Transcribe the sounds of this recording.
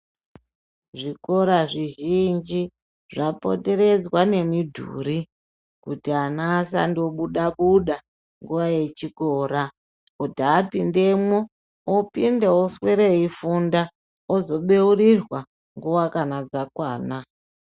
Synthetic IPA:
ʐiko̞ɾaʐiʒind͡ʒi | ʐapo̞̰te̞ɾe̞d͡zwane̞midʱṵɾi | kutianaːsa̰ndoɓuɗaɓuɗa | ŋɡuʋaje̞t͡ʃikoːɾa | odʱaːpinde̞mwo | opindeosweɾeifunda | ozo̞ɓe̞urirwa | ŋɡuwakanad͡zakwaːna

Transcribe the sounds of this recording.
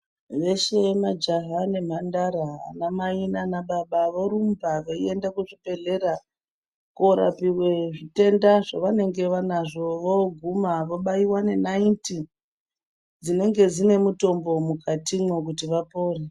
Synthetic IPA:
ʋe̞ʃe̞mad͡ʒaɦane̞m̤andaɾa̰ːnamainanaɓaɓaʋoɾumbaʋaie̞ndakuʐibe̞ɮe̞ɾa | koɾa̰piwe̞ʐite̞ndaʐoʋane̞ŋɡe̞ʋanaʐo̞ʋoɡʱumaʋoɓaiwane̞nainti | d͡zine̞ŋɡe̞d͡zine̞muto̞mbo̞mukʰatimwo̞k̬utiʋapo̞ːre

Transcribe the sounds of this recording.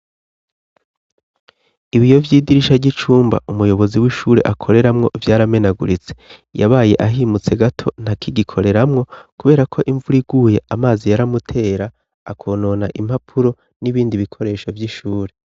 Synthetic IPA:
iβijo̞vjiːdiɾiʃaɾɟit͡ʃuːmba̰ʔumujo̞βo̞ziwiʃuːɾe̞̰ʔakʰo̞ɾe̞ɾamŋo̞ʔivjaːɾame̞naɡuɾit͡seja̰βaːje̞ʔaɦiːmut͡se̞ɡatʰo̞n̥hakʰiɡikʰo̞ɾe̞ɾamŋo̞kuβe̞ːɾakʰo̞ʔiɱvuɾiɡ̥uːje̞amaːzijaɾamutʰe̞ːɾa | akʰo̞ːno̞naʔim̥hapʰuɾo̞ | niβiːndiβikʰo̞ɾe̞ːʃo̞vjiʃuːɾe̞

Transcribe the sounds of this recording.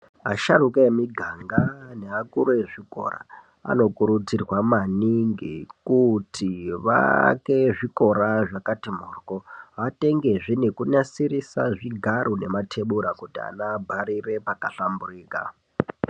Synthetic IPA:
aʃarukeemiɡʱaŋɡane̞akuɾueʐiko̞̰ra̰ | a̰no̞kuɾut͡sirwamaniŋɡikutʰiʋa̰ke̞ʐiko̞ɾaʐakatimuːrkoate̞ŋɡe̞ʐine̞kuɲasirisaʐiɡʱaɾune̞matʰe̞ɓuɾakutia̰nabʱaɾire̞pakaɬamburiːka̰

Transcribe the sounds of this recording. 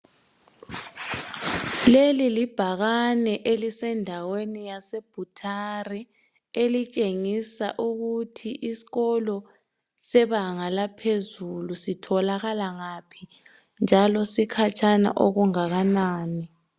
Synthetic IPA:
lelilib̥ʱaɣanɛʔelisɛndʱawenijaseb̥ʱutʰari | elit͡ʃʼeŋisa̰ʔuɣutʰiʔisi̥ɣɔlɔ | sɛβaŋalapʰezulusitʰɔlaɣalaŋapʰi | nd͡ʒʱalɔsikʰat͡ʃʰʼana̰ʔoɣuŋaɣanaːni

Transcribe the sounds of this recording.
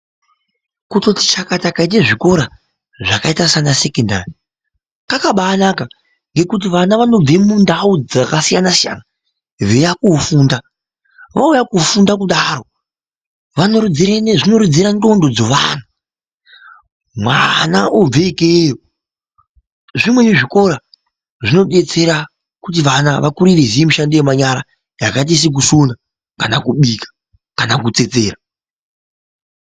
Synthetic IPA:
kuto̞ti̥t͡ʃakatakait̬eʐiko̞ɾa | ʐakaitasanasekenda̰ri | kakaɓaːnaka | ŋɡe̞kut̬iʋanaʋano̞b͡vemundauakasijanasija̰na | ʋejakufunda | ʋaujakufundakuɗaɾo̞ | ʋanoʐino̞ɾid͡ziɾando̞ndod͡zo̞ʋa̰na | mwanaʔob͡veikejo | ʐimwe̞neʐiko̞ɾa | ʐino̞ɗe̞t͡se̞ɾa | kut̬iʋanaʋakuɾirezijemiʃandejemaɲaɾa | jakat̬is̬ik̬usuna | kanakuɓiːkḁ | kanakut͡se̞t͡se̞ːɾa

